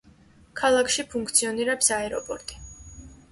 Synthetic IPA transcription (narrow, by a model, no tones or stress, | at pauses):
kʰalˠakʰʃipʰuŋkʰt̪sʰiɔniɾɛpsaɛɾɔpʼɔɾt̪ʼi̥